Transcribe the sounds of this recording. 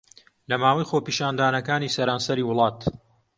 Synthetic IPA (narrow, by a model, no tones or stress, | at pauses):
lɐmaːwɐjxoːpiːʃaːnd̪aːnɐkaːniːsɐɾaːnsɐɾiːwʊlˠɑːt̪